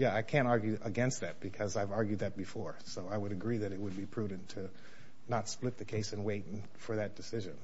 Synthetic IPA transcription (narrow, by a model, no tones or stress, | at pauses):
jæaɪkʰæ̃ntɑɹɡjʉʔəɡɛ̃nst̪̚ðɨt̚b̥ɨkʰʌzaɪvɑɹɡjʉd̪̚ðɨt̚b̥ɨfɔɹsoʊaɪwəɾɨɡɹiðɨɾɨt̚wəd̚bipʰɹ̥ʉdⁿn̩tʰɨ | nətsplɪt̪̚ðɨkʰeɪsɨ̃nweɪt̚ | fə˞ðɨt̚d̥ɨsɪʒɨ̃n